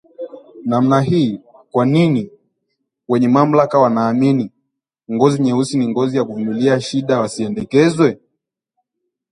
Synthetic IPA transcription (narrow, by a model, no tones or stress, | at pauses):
nam̩naɦiː | kwanini | wɛɲɛmam̩lakawanaːmini | ŋɡɔziɲɛusiniŋɡɔzijakuvumiliaʃiɗawasiɛndɛkɛzwɛ